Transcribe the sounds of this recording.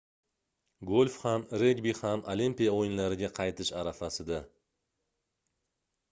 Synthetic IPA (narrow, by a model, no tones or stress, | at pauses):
ɡolʲfhamɾe̞ɡbihamolimpʲijaojɪnlaɾɪɡʲaqʰɑjt̪ʰɪʃaɾafasɪd̪a